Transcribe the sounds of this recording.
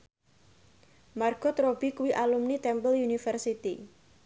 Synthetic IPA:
marɡ̥ɔt̪ɾob̥ikuwiʔalumnit̪ɛmpəljunifərsit̪i

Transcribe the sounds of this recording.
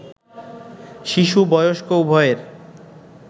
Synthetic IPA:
ʃiʃubɔjoʃkowbʱɔeɾ

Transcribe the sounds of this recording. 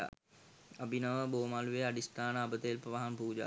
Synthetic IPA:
a̰ | ɐbinɐʋəboːmaːluʋeɐɖist̪aːnabət̪əelpɾɐʋaɦanpuːd͡ʒa̰

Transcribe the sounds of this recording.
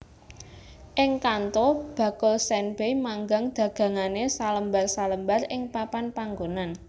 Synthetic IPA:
ʔɪŋkant̪ob̥a̤kʊlsɛnb̥ejmaŋɡaŋd̪̥ä̤ɡ̥ä̤ŋanesaləmbarsaləmbarɪŋpapanpaŋɡonan

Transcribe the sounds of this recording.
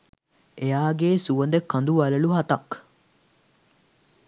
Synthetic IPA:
ejaːɡeːsuʋɐnd̪ekːɐnd̪uʋɐləluɦɐt̪ɐk

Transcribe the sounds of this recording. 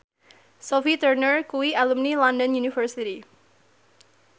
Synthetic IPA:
sofit̪ərnərkuwialumnilandɔnjunifərsiɾi

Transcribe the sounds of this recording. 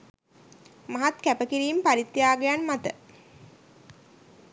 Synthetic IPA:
maɦat̪kæpəkiɾiːmpaɾit̪ːjaːɡejanmat̪ə

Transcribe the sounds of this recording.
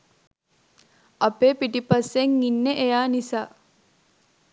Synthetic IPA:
ɐpeːpiʈipaseŋːinːeʔejaːnisaː

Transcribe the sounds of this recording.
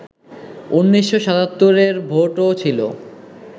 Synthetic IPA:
unːiʃːoʃat̪at̪ːoɾeɾbʱoʈot͡ɕʰilo̰

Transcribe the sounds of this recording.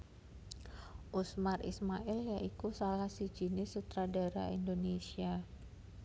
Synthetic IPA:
ʔusmarḭsmaʔɪljaʔikusalahsi̥ʒ̥i̤nɪsut̪ɾada̤ɾa̰ḭndonesia

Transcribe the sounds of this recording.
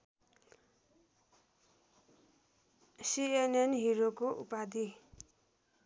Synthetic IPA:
sienenɦiɾokoʔṵpad̪i

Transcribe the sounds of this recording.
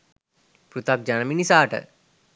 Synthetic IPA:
pɾut̪ɐk̚d͡ʒɐnɐminisaːʈə̰

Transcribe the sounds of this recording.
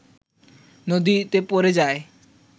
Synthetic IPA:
nod̪it̪epoɾed͡ʒae

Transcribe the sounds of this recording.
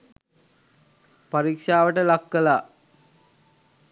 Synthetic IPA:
paɾikʂaːʋəʈəlakːəlaː

